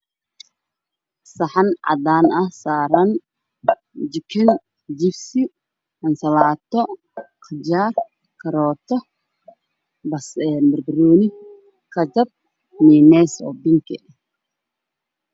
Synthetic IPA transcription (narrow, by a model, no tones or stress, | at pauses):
sɐħɑnʕɑ̰d̪aːnɐsaːɾɐn | d͡ʒɪkʰɪn | d͡ʒɪbsɪ | ɐnsɐlaːt̪ʰɔ | kʰɪd͡ʒaːr | kʰɐɾɔːt̪ʰɔ | bɐsɛmɐrbɪɾɔːnɪ | kʰɐd͡ʒɐb̚ | niːmɛːsɔ̰ːbɪŋkʰɛ̰